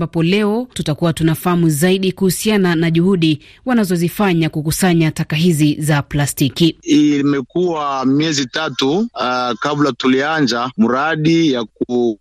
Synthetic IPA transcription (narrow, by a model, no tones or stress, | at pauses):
mbapɔlɛɔtutakuwatunafahamuzaiɗikuhusiananaʄuhuɗi | wanazɔzifaɲakukusaɲatakaɦizizaplastikiimɛkuwamiɛzitatukablatuliand͡ʒamuɾaɗijak̚u